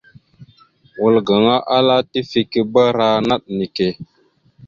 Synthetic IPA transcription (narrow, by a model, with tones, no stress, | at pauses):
wu˨lɡa˨ŋa˦ʔa˦la˦ti˦fi˦ki˦bə˦ɾa˦na˦ɗ̚ni˨ke˨